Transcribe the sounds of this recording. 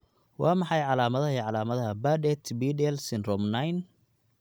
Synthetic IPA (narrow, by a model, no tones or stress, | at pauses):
wɑ̰ːmɑħɑjʕɑlaːmɐðɐɦɐiʕɑlaːmɐðɐɦɐbadɛt̪ʰbiːdɛlsɪnrɔmnɐjn